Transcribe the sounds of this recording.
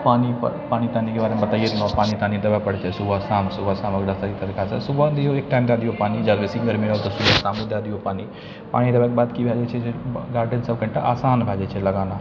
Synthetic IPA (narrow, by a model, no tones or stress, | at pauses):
paːnippaːñit̪aːnikebaːɾemebɐt̪aːjet̪nɔ̃paːnit̪aːnid̪ɐʋapɐɽt͡ʃʰesubasaːmsubasaːmɐkd̪ɐst̪akit̪ɐɾikasḛsubad̪ijoeːk̚ʈãːɪmd̪aːd̪iopaːnid͡ʒadbesĩɡɐɾmiɾat̪osubasaːmũd̪aːd̪iopaːni | pa̰ːɽ̃id̪ɐbakebaːd̪kibʱad͡ʒet͡ʃʰeseɡaːɾɖənsɐb̚kɐ̃ɳʈaʔaːsaːnbʱad͡ʒet͡ʃʰelɐɡaːna